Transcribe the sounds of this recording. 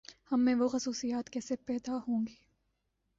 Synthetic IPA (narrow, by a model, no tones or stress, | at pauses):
hɐmːẽʋoxɐsuːsijaːt̪kesepɛːd̪ahõːŋɡiː